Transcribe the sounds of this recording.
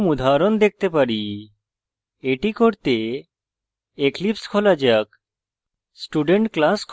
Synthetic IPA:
mud̪ʱaɾɔnd̪ek̚t̪epaɾi | eʈikoɾt̪e | eklipskʰolad͡ʒak | sʈuɖeɳʈklaskʰ

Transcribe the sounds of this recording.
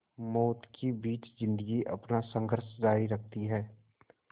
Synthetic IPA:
mɔːt̪kibiːt͡ʃzɪ̃nd̪əɡiʔɐpnasə̃ŋɡʱəɾʃd͡ʒaːɾiɾək̚ʰt̪iɦɛː

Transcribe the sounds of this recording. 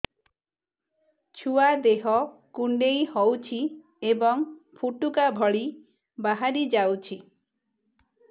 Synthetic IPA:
t͡ʃʰuad̪eɦɔkuɳɖejhɔwt͡ʃʰi | ebɔŋpʰuʈukabʱɔɭi | baɦaɾid͡ʒawt͡ʃʰi

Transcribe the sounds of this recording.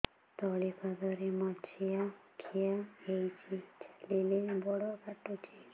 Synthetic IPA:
t̪ɔɭikʰad̪ʱɔɾemɔt͡ʃʰiakʰijaɦejt͡ʃʰilelebɔɽɔkaʈut͡ʃʰe

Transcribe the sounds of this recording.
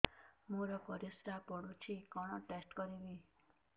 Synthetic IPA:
moɾɔkɔɾisɾapɔɽut͡ʃʰikɔɽ̃ɔʈesʈkɔɾibi

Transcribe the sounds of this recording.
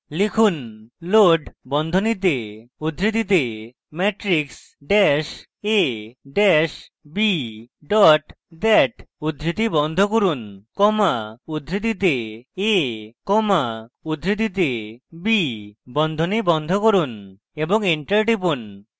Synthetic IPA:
likʰunloɖbɔnd̪ʱonit̪̬eud̪ʱɾit̪it̪e | mɛʈɾiks | ɖɛʃ | eɖɛʃ | biɖɔʈ | d̪ɛʈud̪ʱɾit̪ibɔnd̪ʱokoɾunkɔmaud̪ʱɾit̪it̪̬eekɔmaud̪ʱɾit̪̬it̪̬ebibɔnd̪ʱonibɔnd̪ʱokoɾun | eboŋiɳʈəɾʈipun

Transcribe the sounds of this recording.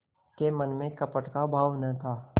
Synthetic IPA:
kemɐnmẽkɐpəʈkabʱaːʋnɐɦt̪ʰaː

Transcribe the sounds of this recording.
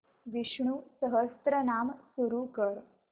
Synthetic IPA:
ʋiɕɳusəɦəst̪ɾənamsuɾukəɾ

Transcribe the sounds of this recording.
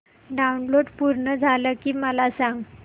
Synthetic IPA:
ɖaunloɽpuɾɳəd͡zʱaləkiːməlasaŋɡ

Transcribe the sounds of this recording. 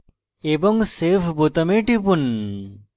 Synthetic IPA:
ebɔŋsefʰbot̪əmeʈip̬un

